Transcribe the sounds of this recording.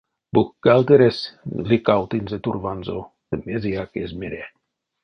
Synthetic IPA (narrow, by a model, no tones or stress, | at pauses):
buxkælt̪eɾeslikawt̪inzet̪urvɑnzo | t̪əmeziakezmeɾʲe